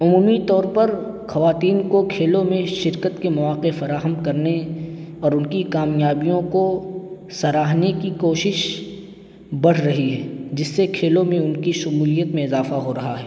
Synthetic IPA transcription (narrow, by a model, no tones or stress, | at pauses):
ʊmuːmit̪ɔːɾpɐɾ | xɐʋaːt̪iːnkokʰeːlõmẽʃɪɾkət̪kemɐʋaːqefɐɾaːɦəmkɐɾneɔːɾʊnkikaːmjaːbijõko | sɐɾaːɦnekikoːʃɪʃ | bɐɽ̤ɾɐɦiɦɛːd͡ʒɪsːekʰeːlõmẽʊnkiʃʊmuːlijət̪mẽɪzaːfaɦoɾɐɦaɦɛː